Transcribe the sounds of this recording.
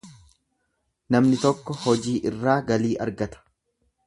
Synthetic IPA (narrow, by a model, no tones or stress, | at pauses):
nɐmnɪt̪ɔkːɔhɔd͡ʒiːʔɪrːaːɡɐliːʔɐ̰ɾɡɐt̪ɐ̥